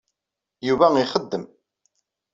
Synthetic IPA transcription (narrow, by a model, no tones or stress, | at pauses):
juvæiχəd̪ːəm